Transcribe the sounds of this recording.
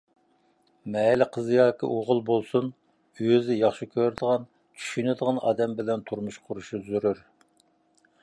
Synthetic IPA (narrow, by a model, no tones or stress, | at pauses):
mɛlɪqʰəzɨjɑːkʰʲḭʔoʁʊlˠbolˠsun | yjzɪjɑχʃikʲʰøɾd̪əʁɑn | t͡ʃʲʰy̥ʃynɪd̪əʁɑnɑ̰ːd̪ɛmbɪlɛnt̪ʰuɾmuʃqʰʊɾuʃuzyɾyɾ